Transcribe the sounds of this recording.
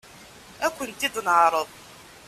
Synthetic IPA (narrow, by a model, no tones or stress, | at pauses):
ækʷːənt̪iðnʕɾˤəðˤ